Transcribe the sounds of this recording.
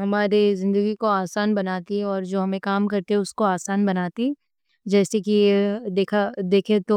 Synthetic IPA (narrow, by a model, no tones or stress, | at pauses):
ɦɐmaːɾizɪ̃nd̪əɡikoaːsaːnbɐnaːt̪iɔːɾd͡ʒoːɦɐmẽkaːmkɐɾt̪eɦɛʊskoaːsaːnbɐnaːt̪i | d͡ʒɛːsekid̪eːkʰad̪eːkʰet̪o